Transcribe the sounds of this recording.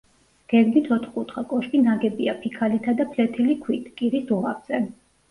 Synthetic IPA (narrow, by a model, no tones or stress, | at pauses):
ɡ̥ɛɡmit̪ʰɔt̪ʰχqʼut̪χakʼɔʃkinaɡɛbiapʰikʰalit̪ʰad̪apʰlɛt̪ʰilikʰwit̪ʰkʼiɾisuʁavz̥ɛ